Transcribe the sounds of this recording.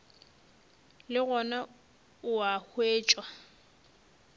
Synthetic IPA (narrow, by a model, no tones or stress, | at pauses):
lɪɣɔna | ʊahweːt͡ʃʼwa